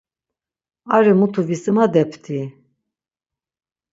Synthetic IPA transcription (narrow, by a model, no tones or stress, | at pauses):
aɾimut̪ʰuvisimad̪ɛpʰt̪ʰi